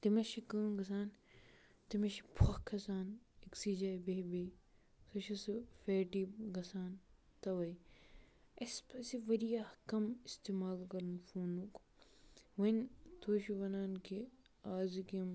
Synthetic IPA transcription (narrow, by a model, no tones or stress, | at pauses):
t̪imɐʃikɐːɡɐs̬aːn | t̪imɐʃipʰɐkʰːɐsaːniksiːd͡ʒaːbeːbe | sɐʃisifeːʈibɡɐsaːn | t̪ɐʋɐj | ɐspɐsiʋɐɾijahkɐmist̪eːmaːlkɐɾnfuːnuk | ʋɐnt̪ʰoːʃiʋɐnaːnki | aːzikɐm